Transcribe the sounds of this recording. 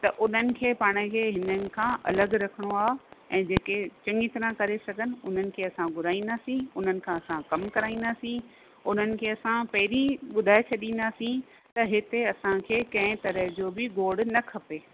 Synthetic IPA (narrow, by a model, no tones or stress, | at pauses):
t̪ɐʔʊn̤ənɪ̆kʰeːpaːɽ̃əkʰeːɦɪnənɪ̆kʰãːʔɐ̰ləɡɾɐkʰəɽ̃oaːɦeɛ̃ːd͡ʑeːket͡ɕɐ̃ŋɡɪt̪ɾãkɐɾesɐɡʱənɪ̆ʊn̤ənɪ̆kʰeːɐsãɡʱʊɾaːĩnd̪aːsĩʊn̤ənɪ̆kʰãːɐsãkɐmkɐɾaːĩːnd̪aːsĩ | ʊn̤ənɪ̆kʰeːɐsãpɐɦɪɾĩɓʊd̪ʱaːet͡ɕʰɐɗĩːnd̪asĩ | t̪ɐɦɪt̪eɐsãkʰeːkɐ̃ɦɪ̃t̪ɐɾəɦd͡ʑoːbɪɡoːɽnɐkʰɐpeː